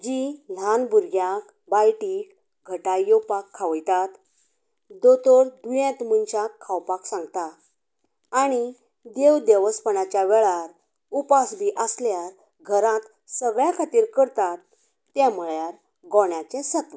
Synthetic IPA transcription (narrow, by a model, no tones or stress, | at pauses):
d͡ʑil̤anbuɾɡjak | bajʈiːk | ɡʱəʈajɔpakʰːaʋəjt̪at̪ | d̪ot̪ɔɾd̪ujɛ̃t̪munt͡ɕakʰːawpaksãŋɡt̪aː | ɽ̃i | d̪ewd̪eʋəspəɳat͡ɕjaʋɛɭaɾ | upasb̪iʔəsljaɾ | ɡʱəɾãt̪ | səɡɭjakʰat̪iːɾkəɾt̪at̪ː | ɛ̃məɭjaɾ | ɡɔɳjat͡ɕesət̪ʋə